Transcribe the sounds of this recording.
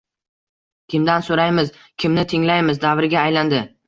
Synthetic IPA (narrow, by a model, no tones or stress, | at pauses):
kʲʰɪmd̪ansoɾajmɪz | kʲʰɪmnɪt̪ʰɪŋlajmɪzd̪avɾɪɡʲaːjland̪ɪ